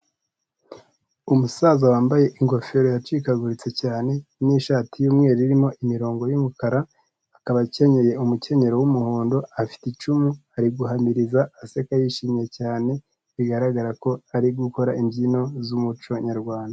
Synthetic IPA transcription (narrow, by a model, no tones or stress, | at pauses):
umusazawaːmbaje̞ʔiŋɡo̞fe̞ɾojat͡ʃiːkaɡuɾit͡se̞caːne̞niʃaːtijuːmŋe̞ːɾiɾimo̞ʔimiɾo̞ːŋɡojumukaɾaː | kaβace̞ɲe̞je̞umuce̞ɲe̞ɾo̞wumuhoːndo̞afi̥tit͡ʃumuaɾiɡuɦamiɾizaase̞kajiʃiːmɲe̞caːne̞ | iɡaɾaɡaɾako̞aɾiɡuko̞ɾaimɟino̞zumut͡ʃo̞ɲaɾɡwaːnda